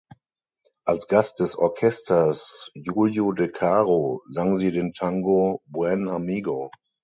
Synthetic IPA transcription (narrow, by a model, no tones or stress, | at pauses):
ʔalsɡ̥ast̚d̥ɛsɔ̰ɐkʰɛstʰɐsjuːljodɛkʰaːʁozaŋziːdentʰaŋɡobwɛnamiːɡo